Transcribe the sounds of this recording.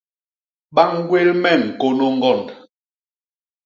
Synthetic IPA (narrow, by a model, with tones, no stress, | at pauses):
ɓa˦ŋ˦ɡwe˦lmɛ˦˨ŋ̩˨ko˦no˦ŋ˦ɡɔ˦˨n